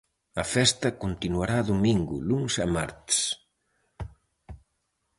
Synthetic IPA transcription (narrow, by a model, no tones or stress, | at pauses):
ɐfɛst̪ɐkunt̪inwaɾaðumiŋɡṵluŋsɛma̰ɾt̪s